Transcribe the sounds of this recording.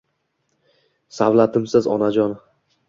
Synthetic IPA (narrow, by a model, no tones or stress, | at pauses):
savlˠat̪ʰɪmsɪzɒ̰nad͡ʒɒn